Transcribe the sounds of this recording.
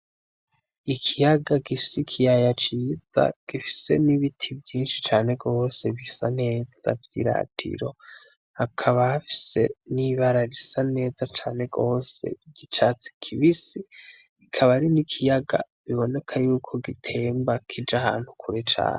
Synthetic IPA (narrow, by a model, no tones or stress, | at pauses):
ikʰijaɡaɡifi̥sikʰijajat͡ʃiza̰ɡ̥ifi̥se̞̰niβitʰivjiːnʃi̥t͡ʃaːne̞ɡɡo̞ːseβisane̞ːz̥a̰vjḭɾa̰tʰḭɾo̞ | hakʰaβahafi̥se̞niβaɾaɾisane̞ːzat͡ʃaːne̞ɡo̞ːse̞̰ɡ̥it͡ʃat͡si̥kʰiβisi | ikʰaβaɾinikʰijaɡa̰ | βiβo̞ne̞kʰajuːkʰo̞ɡitʰe̞ːmbakʰid͡ʒahaːnhukʰuɾet͡ʃa̰ːne